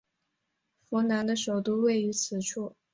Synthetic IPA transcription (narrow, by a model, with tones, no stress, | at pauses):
fɔ˧˥na˧˥nd̪ə˧ʂo˨˩ʊt̪u˥˧we˥˩ɪy˧˥t͡sʰɹ̩˨˩ʈ͡ʂʰu˥˩